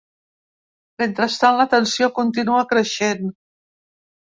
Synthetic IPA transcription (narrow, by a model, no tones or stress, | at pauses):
ment̪ɾəst̪anlət̪ənsiokunt̪inuəkɾəʃen